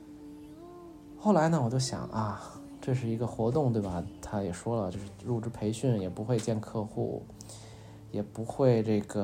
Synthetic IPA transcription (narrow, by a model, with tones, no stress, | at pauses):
xo˥˩ʊla˧˥ɪnə˧wɔ˨˩t͡ɕjo˥˩ʊɕjɑ̰˨˩˦ŋʔɐ˧˩ | ʈ͡ʂɤ˥˧ʂ̬ɻ̩˥˩i˧˥ɡə˧xwɔ˧˥t̪ʊ˥˧ŋt̪we˥˩ɪbɐ˩t̪ʰa˥jɛ˨˩ʂwɔ˥lə˨t͡ɕjo˥˧ʊʂɻ̩˥˧ɻu˥˧˩ʈ͡ʂɻ̩˥pʰe˧˥ɪɕy˥˩njɛ˨˩pu˧˥xwe˧ɪt͡ɕjɛ˥˧nkʰɤ˥˧xṵ˥˩ | jɛ˨˩pu˧˥xwe˥˧ɪʈ͡ʂɤ˥˩ɡə˩